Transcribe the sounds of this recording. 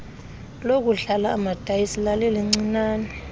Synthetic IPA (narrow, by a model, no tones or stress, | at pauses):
lok̬ʼuɮalaːmad̥ʱajisilalɛliŋ͡ǀinaːnɛ